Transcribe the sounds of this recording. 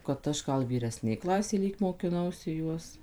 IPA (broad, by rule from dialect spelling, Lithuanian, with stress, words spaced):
kɐt ˈɐʃ ˈɡɐlˠ ʋʲiːrʲɛˈsʲnʲeːj ˈklˠɑːsʲeːjɛ ˈlʲiːk moːkʲɪˈnɐʊsʲɪ ˈjuɔs